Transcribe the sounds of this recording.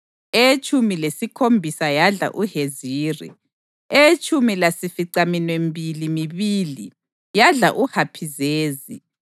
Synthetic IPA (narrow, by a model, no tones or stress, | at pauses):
et͡ʃʼumilesikʰombʱisajaɮa̰ʔuheziːrḭ | et͡ʃʼumilasifiǀaminwembʱilimiβili | jaɮaʔuhapʰizeːzḭ